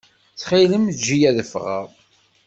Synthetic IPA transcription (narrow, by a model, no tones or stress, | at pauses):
θχiləmd͡ʒːijæðəfʁə̰ɾˤ